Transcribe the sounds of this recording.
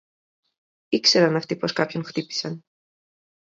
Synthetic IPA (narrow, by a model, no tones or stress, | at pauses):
ikse̞ɾɐnɐft̪ipo̞skɐpço̞nxt̪ipi̥sɐn